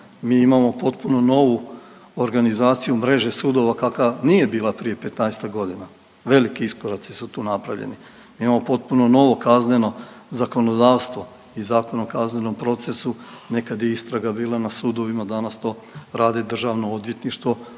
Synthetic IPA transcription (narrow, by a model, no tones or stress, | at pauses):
miːimamo̞po̞t̪puno̞no̞ʋu | oɾɡanizaːt̪sijumɾe̞ʒe̞suːd̪o̞ʋakakanije̞biːlˠapɾije̞pe̞t̪naest̪aɡo̞d̪ina | ʋe̞likiiskoɾat̪sisut̪uːnapɾa̰ʋʎḛni | miimamo̞po̞t̪̚puno̞no̞ʋo̞kazne̞no̞ | zako̞nod̪aːʋst̪ʋo̞ | izaːko̞nokazneno̞mpɾo̞t̪se̞sune̞kad̪jeist̪ɾaɡabiːlˠanasud̪o̞ʋimad̪anast̪o̞ː | ɾaːd̪ed̪r̩ʒaʋno̞od̪je̞t̪niʃt̪ʋo̞